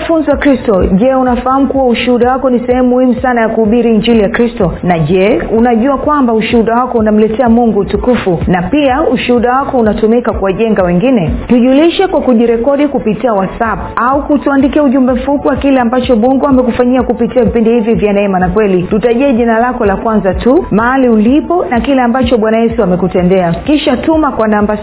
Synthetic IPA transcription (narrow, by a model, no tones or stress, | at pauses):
funziwakɾistɔʄɛunafaham̩kuwauʃuhuɗawakɔnisɛhɛmumːuhimusanajakuuɓiɾiːɲd͡ʒilijakɾistɔnaʄɛunaʄuakwambauʃuhuɗawakɔunam̩lɛtɛamuŋɡuːtukufunapiauʃuhuɗawakɔunatumikakuwaʄɛŋɡawɛŋɡinɛtuʄuliʃɛkwakuʄiɾɛkɔɗikupitiawasapaukutuandikiauʄumbɛm̩fupiwakilɛambat͡ʃɔɓɔŋɡuamɛkufaɲiakupitiavipindihivjivjanaɛmanakwɛlitutaʄɛːʄinalakɔlakwanzatumaɦaliulipɔnakilɛambat͡ʃɔɓwanajɛsuamɛkutɛndɛakiʃatumakwanamba